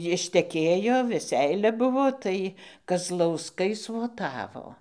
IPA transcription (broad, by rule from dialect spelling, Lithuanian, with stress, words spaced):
jɪʃʲtʲɛˈkʲeːjoː ʋʲɛˈsʲɛɪlʲɛ ˈbʊʋoː ˈtɐɪ kɐzlˠɐʊsˈkɐɪ sʋoːˈtɑːʋoː